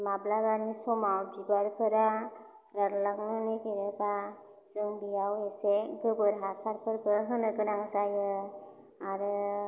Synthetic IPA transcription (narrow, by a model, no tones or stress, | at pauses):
mablabanisɔmawbibaɾpʰɯɾa | ɾanlaŋnɔnekeɾeba | zɯŋbijaweseɡɯbɯɾɦasaɾpʰɯɾbɯɦɯnɯɡɯnaŋzajɯ | aɾɯ